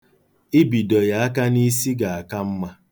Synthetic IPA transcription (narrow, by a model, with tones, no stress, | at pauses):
i˦bi˨dɔ˨ja˨a˦ka˦ni˦si˦ɡa˨a˨ka˦m̩˦ma˦